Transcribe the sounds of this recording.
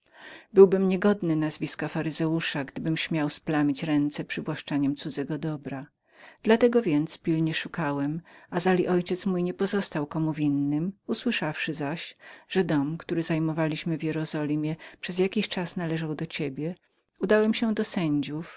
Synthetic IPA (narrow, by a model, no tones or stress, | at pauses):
bɘwbɘmɲɛɡɔd̪nɘnazvʲiskafaɾɘzɛuʂaɡd̪ɘbɘmɕmʲjawsplamʲit͡ɕɾɛnt̪sɛpʂɘvwaʂt͡ʂaɲɛmt̪sud̪zɛɡɔd̪ɔbɾa | d̪̥lat̪ɛɡɔvʲjɛnt̪spʲilɲɛʂukawɛmazalʲiʔɔjt͡ɕɛt̪smujɲɛpɔzɔst̪awkɔmuvʲinːɘmuswɘʂafʂɘzaɕʐ̥ɛd̪ɔmkt̪uɾɘzajmɔvalʲiɕmɘvjɛɾɔzɔlʲimʲjɛpʂɛzjakʲiɕt͡ʂasnalɛʐawd̪ɔt͡ɕebʲjɛ | ud̪awɛmɕɛd̪ɔsɛɲd͡ʑuf